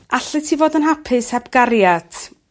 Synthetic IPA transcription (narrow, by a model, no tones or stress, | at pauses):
aɬɨtʰivoːdənɦapʰɪshɛbɡ̥aɾjad̥